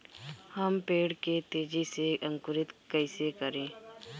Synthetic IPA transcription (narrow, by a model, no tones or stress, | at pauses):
həmpeːɽket̪eːd͡ʒiseʔə̃ŋkʊɾɪt̪kəɪsekəɾẽː